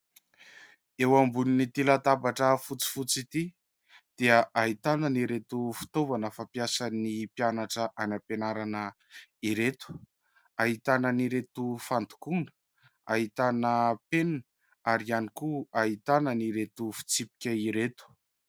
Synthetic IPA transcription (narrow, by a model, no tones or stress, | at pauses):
ewambuninit̪ilat̪abaʈ͡ʂəfut͡si̥fut͡sit̪i | d̪̥eəʔaɦit̪anəniɾet̪ufi̥t̪ovanəfapjasanipjanaʈ͡ʂəʔanapenaɾanə | iɾet̪u̥ | aɦit̪anəniɾet̪ufant̪u̥kunə̥ | aɦit̪anəpenn | aɾianikuaɦit̪anəniɾet̪ufi̥t͡sipi̥kʲəiɾet̪u̥